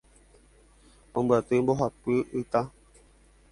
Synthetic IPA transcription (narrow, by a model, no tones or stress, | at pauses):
õmbat̪ɨmboɦapɨɨt̪a